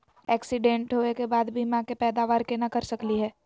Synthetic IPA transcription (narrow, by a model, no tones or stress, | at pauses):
ɛːksɪɖẽːɳʈɦoːekebaːd̪bʱimãkepɛːd̪aːʋaːɾkenakɐɾsɐkliɦɛː